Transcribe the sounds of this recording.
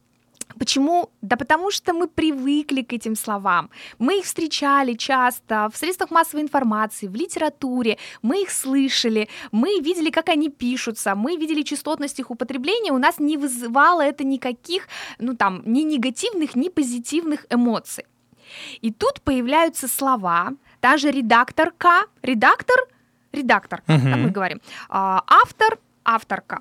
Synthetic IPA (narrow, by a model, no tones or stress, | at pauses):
pət͡ɕɪmud̪əpət̪ɐmuʂt̪omɨpɾʲɪvɨklʲɪkɛtʲɪmslˠɐvamːɨixfst̪ɾʲɪt͡ɕælʲɪt͡ɕast̪əfsɾʲet̪st̪vəxmasːəvəɪnfɐrmat̪sɨɪvlʲɪtʲɪɾɐt̪uɾʲɪmɨixslˠɨʂəlʲɪmɨvʲidʲɪlʲɪkakɐnʲipʲiʂʊt̪səmɨvʲidʲɪlʲɪt͡ɕɪst̪o̞t̪nəsʲtʲixʊpət̪ɾʲɪblʲenʲɪjəʊnasnʲɪvɨzɨvɑlˠəɛt̪ənʲɪkɐkʲixnut̪amnʲɪnʲɪɡɐtʲivnɨxnʲɪpəzʲɪtʲivnɨxɪmo̞t̪sɨj | it̪ut̪pəjɪvlʲæjʊt̪səslˠɐva | t̪amʐɨɾʲɪd̪akt̪ərkaɾʲɪd̪akt̪ər | ɾʲɪd̪akt̪ərd̪amɨɡəvɐɾʲḭmaʔaft̪ər | aft̪ərkə̰